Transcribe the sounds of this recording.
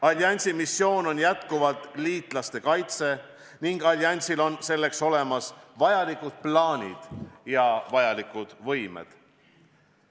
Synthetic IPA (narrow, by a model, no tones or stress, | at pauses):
ɑlʲiɑnʲsimisːjo̞ːno̞njæt̪kuvɑt̪liːt̪ˑlɑst̪e̞kɑjt̪se̞ | niŋɡ̥ɑlʲiɑnʲsilo̞nse̞lːe̞kso̞le̞mɑsvɑjɑlikud̪̥̚plɑːnʲḭd̪̥jɑvɑjɑlikud̪̥vɤjmḛd̪̥